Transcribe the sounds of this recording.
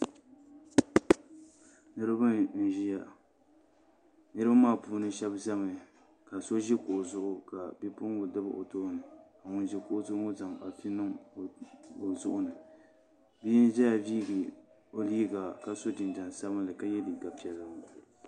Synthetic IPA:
nɨ˦ɾɨ˦ba˦n̩˦˨ʒi˦ja˦ | nɨ˦ɾɨ˦ba˦maː˦˨puː˦nɨ˦ʃɛ˦bza˦mɨ˨ | ka˨so˦ʒɪ˦kʊ˨ʔʊ˨zʊ˦ʔʊ˦ka˨bi˦pʊ˦ŋ˦ɡo˨dɨ˦ba̰˦ʔo˨toː˦nɨ˨ka˨ŋʊ˨nʒɪ˦kʊ˦ʔʊ˦tʊ˦ŋo˦za˨ŋa˨pi˦nɨ˦ŋ˨ | o˨zʊ˦ʔʊ˦nɨ˨ | bi˦n˦ʒɛ˦ja˨viː˦ɡɨ˨ | o˦liː˦ɡa˨ka˨so˦dɨ˨nd͡ʒa˨n˨sa˦bɨ˦n˦lɨ˨ka˦jɛ˦di˨ɡa˨pi˨ɛ˨lːɨ˦˨

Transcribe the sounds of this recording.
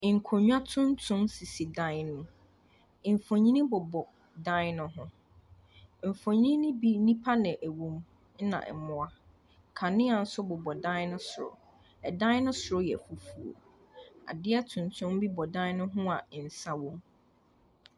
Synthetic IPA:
ŋ̩˨kʰo˨ɲᶣ˦a˦tʰʊ̃˦n˦tʰʊ̃˦msi˨si˨dã˦nʊ̃˨ | m̩˨fõ˨ɲĩ˦nĩ˦bʊ˨bɔ˨ | dã˦nʊ̃˦ɦʊ̃˦˨ | m̩˨fõ˨ɲ˦ĩ˦nɪ̃˦bi˦nĩ˦pʰa˦nɪ̃˨ʔæ˨wõ˦m | n̩˦nã̰˨ʔɛ̰˨mʊ̃˨a˦˨ | kʰa˨nɪ̃˦a˨n̩˦sʊ˦bʊ˨bɔ˨dã˦nʊ̃˦sʊ˨ɾʊ̰˨ | ɛ˨dã˦ɪ˦nʊ̃˦sʊ˨ɾʊ˦jɛ̰˨fu˦fu˨o̰˨ | a̰˨dɪ˦ɛ˦tʰʊ̃˨n˨tʰʊ̃˦mbi˦bɔ˨dã˦ɪ˦nʊ̃˦ɦʊ̃˦a˨n̩˨sa˦wõ˦m

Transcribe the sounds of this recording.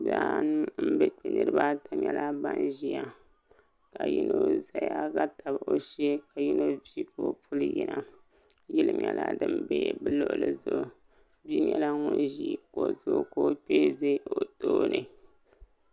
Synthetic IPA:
za˦nɨ˦m̩˦bɛ˦k͡pe˨nɨ˨ɾɨ˦ba˦ta˦ɲɲɛ˨lʔa˦ba˦nʒi˦a˦ | ka˨ji˦no˦za˦ja˦ɡa˦ta˨ba˨ʔo˦ʃe˦ka˨ji˦no˦vi˦ka˨o˦pu˦lɨ˦jɛ˨nʔa˦ | ji˦lɨ˦mɲɛ˨lʔa˦dɨ˦mbe˦bɨ˦lʊ˦ʔʊ˨lɨ˨zʊ˨ʔ | bi˦ɲɛ˦la˦ŋo˦nʒi˦˨ko˨zʊ˦ko˦k͡peː˦ze˦o˨toː˦nɨ˨

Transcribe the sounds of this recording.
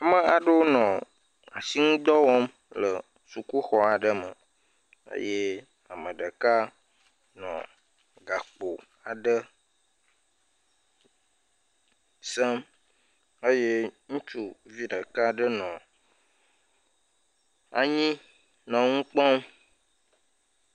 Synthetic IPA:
a˨mə˦a˨ɖə˦wo˦nɔ̃˨ | a˨si˦ŋũ˦d̪ɔ˦wɔ˦m | lə˨ | su˨ku˦xɔ˨a˨ɖə˦mə˨ | ə̰˦je˦ | a˨mə̃˨ɖə˨ka˦ | nɔ̰̃˨ | ɡa˨k͡po˨ | a˨ɖə˦ | sə˦m | ə˦je˦ŋũ˦t͡ʃu˦vi˦ɖə˨ka˦ɖə˦nɔ̃˨ | a̰˨ɲĩ˦ | nɔ̃˨ŋũ˦k͡pɔ̃˦m

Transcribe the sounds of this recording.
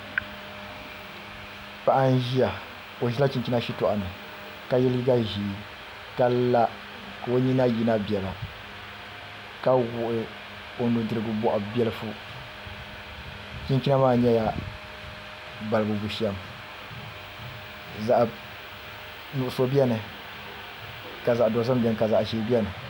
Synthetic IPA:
pa˨ʔa˦n˦ʒi˦a˨ | o˨ʒi˦la˦t͡ʃi˨ɲt͡ʃi˦na˦ʃi˦tɔ˨ʔa˨nɨ˨ | ka˦jɛ˦lɡa˦ʒi˨ | ka˦la˦ | ka˨o˦ɲi˦na˦ji˦na˦bjɛ˨la˨ | ka˦wu˨ʔɪ˦ | o˨ndu˨dɨ˨ɾɨ˨ɡɨ˨bɔ˨ʔʊ˨bɛ˦lɨ˦fu˦ | t͡ʃi˦ɲt͡ʃi˦na˦maː˦ɲɛ˦ja˦ | ba˨lɨ˨ɡɨ˨bu˨ʃɛ˦m | za˨ʔ | nu˨ʔʊ˨so˦bi˦ɛ˦nɨ˨ | ka˨za˨ʔdɔ˨˦za˦m˦bʲi˨ɛ˦nɨ˨ka˨za˨ʔʃiː˦bɛ˦nɨ˨

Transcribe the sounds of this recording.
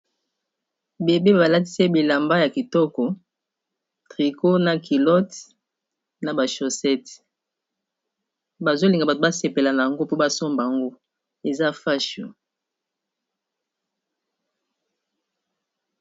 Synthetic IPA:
be˨be˦˨ba˨la˦ti̥˦se˦bi˨la˨mba˦ja˨ki˨tɔ˦kɔ˨ | tʁi˨ko˦na˨ki˨lɔ˦t | na˨ba˨ʃo˨sɛ˦t | ba˨zo˦li˨ŋɡa˨ba˨to˨ba˦se˨pe˨la˨na˨ja˨ŋɡo˦po˦ba˦so˦mba˨ŋɡo˦ | e˨za˦fa˦ʃo̰˨

